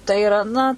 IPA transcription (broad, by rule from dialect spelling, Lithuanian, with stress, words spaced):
tɐɪ ɪˈrɐ ˈnɐ